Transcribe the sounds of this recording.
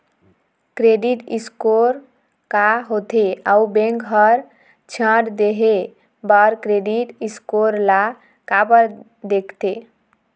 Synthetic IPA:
kɾeɖiʈiskoɾ | kaɦot̪eaubẽŋkɦʌɾ | t͡ʃʰə̃ʈd̪eɦe | baɾkɾeɖiʈiskoɾla | kapəɾ | d̪ekʰt̪e

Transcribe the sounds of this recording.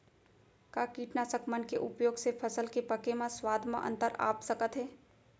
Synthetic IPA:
kaːkiːʈnasəkmənkeʔʊpjoːɡsepʰɐsəlkepɐkemãswaːd̪ʱmã̰ʔə̰̃nt̪əɾa̰ːpsəkət̪ɦɛː

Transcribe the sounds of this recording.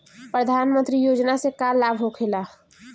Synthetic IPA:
pɾəd̪ʱaːnmə̃nt̪ɾijoːd͡ʒnasekalːaːbʱɦokʰela

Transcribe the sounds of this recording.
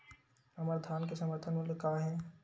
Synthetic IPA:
əməɾd̪ʱaːnkesə̃məɾt̪ʰənmuljekaːɦɛ̃

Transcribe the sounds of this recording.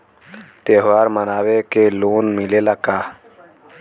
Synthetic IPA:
t̪eːɦʋaːɾmənaːwekeloːnmilelakaː

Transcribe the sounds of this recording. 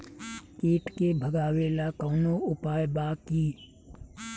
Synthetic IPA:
kiːʈkebʱəɡaːweːlakɔːnoʊpaːjbaːkiː

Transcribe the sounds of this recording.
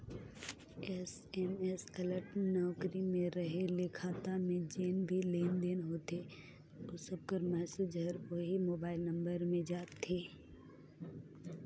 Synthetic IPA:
ɛs | ɛmɛsələʈnɔːkɾimẽɾəɦelɪkʰaːt̪amẽd͡ʒeːnbʱileːnd̪eːnɦoːt̪e | ʊsəb̚kəɾmɛːsed͡ʒəɾʋoɦimoːbaːɪlnə̃mbəɾmẽd͡ʒaːt̪ʰːeː

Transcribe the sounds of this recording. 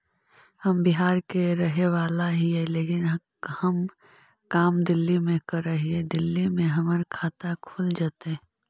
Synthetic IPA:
hɐmbɪɦaːɾkeɾəɦeʋaːlaɦiɛleːkɪnɦ | hɐm | kaːmd̪ɪlːimẽkəɾəɦiɛd̪ɪlːimẽɦɐməɾkʰaːt̪akʰuːld͡ʒaːt̪eɦɛ̃

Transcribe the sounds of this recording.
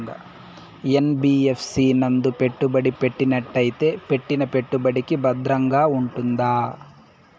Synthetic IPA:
ɡɐ̰ | enbiːepʰsinɐnd̪upeʈːubɐɽipe̞ʈːinɐʈːɐjt̪epeʈːinɐpe̞ʈːubɐɽikibɐd̪ɾɐŋɡaːuɳʈund̪aː

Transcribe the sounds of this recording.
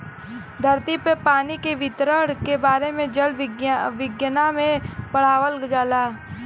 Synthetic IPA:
d̪ʱɐɾt̪ipepaːnikeʋɪt̪ɾəɽkebaːɾemẽd͡ʒəlʋʋɪɡjənamẽpəɽ̤aːʋəld͡ʒaːlaː

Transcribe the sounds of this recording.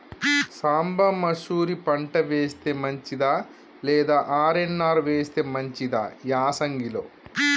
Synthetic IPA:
saːmbɐmɐsuːɾipɐɳʈɐʋeːst̪eːmɐɲt͡ʃid̪aː | lɛːd̪aːʔaːɾenːaːɾʋeːst̪eːmɐɲt͡ʃid̪a̰ːjaːsɐŋɡilo̰ː

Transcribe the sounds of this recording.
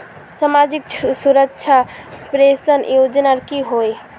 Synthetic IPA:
samad͡ʒiksuɾəkt͡ʃʰapɾesənjod͡ʒnaɾkiɦoj

